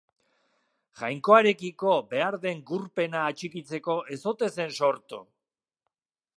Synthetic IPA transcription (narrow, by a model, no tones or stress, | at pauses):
ʝajŋko̞aɾe̞kiko̞be̞aɾðe̞ŋɡuɾpe̞naːt͡ʃikit͡se̞ko̞ʔe̞so̞t̪e̞se̞nso̞ɾt̪ṵ